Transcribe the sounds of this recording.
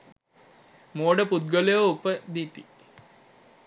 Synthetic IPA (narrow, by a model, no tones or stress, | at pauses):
moːɖəput̪̚ɡolejoupːəd̪it̪i